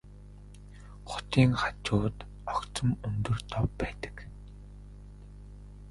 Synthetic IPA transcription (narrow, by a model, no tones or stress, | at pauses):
χʊ̥t̪iːŋχat͡ɕʊːt̪ | ɔkt͡sə̆mɵnt̪ɵ̆rt̪ʰɔpːæːt̪ə̥̆k